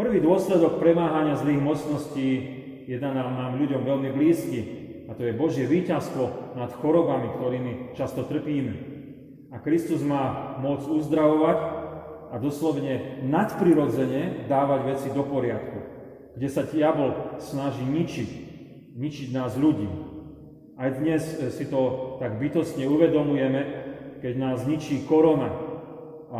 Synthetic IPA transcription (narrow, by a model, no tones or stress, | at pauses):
pr̩ʋiːd̪ʊɔslɛd̪ɔk̚pɾɛmaːɦaɲɪazliːɣmɔt͡snɔsciː | jɛnanaːmnaːmʎuɟɔmʋɛlmibliːski | at̪ɔjɛbɔʒɪjɛʋiːcast̪ʋɔnat̪xɔɾɔbamikt̪ɔɾiːmit͡ʃast̪ɔt̪r̩piːmɛ | akɾist̪uzmaːmʊɔd͡zuzd̪ɾaʋɔʋac | ad̪ɔslɔʋɲɛnat̪pɾiɾɔd͡zɛɲɛd̪aːʋaɟʋɛt͡sid̪ɔpɔɾɪat̪ku | ɡ̥ɟɛsadɪabɔlsnaʒiːɲit͡ʃic | ɲit͡ʃiɟnaːzʎuɟḭː | ajd̪ɲɛssit̪ɔt̪aɡbit̪ɔsɲɛuʋɛd̪ɔmujɛmɛkɛɟnaːzɲit͡ʃiːkɔɾɔna | a